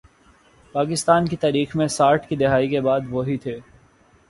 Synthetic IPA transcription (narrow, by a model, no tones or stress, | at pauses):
paːk̬ɪst̪aːnkit̪aːɾiːxmẽsaːɾʈʰkid̪ɪɦaːikebaːd̪ʋoɦit̪ʰeː